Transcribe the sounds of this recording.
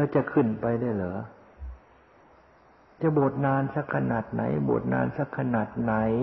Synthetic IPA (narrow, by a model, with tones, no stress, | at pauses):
la˧˩t͡ɕa˧˨kʰɯ˧˩˨npa˧jda˧˩jlɤː˨˦ | t͡ɕa˧˦bo˨˩t̪̚naː˧˥˩nsa˧˩kʰːa˧naː˨˩t̪̚na̰˨˦jbo̰ː˨˩t̪̚na̰ː˧˥˨nsa˧˩kʰːa˧naː˨˩t̪̚na˨˦j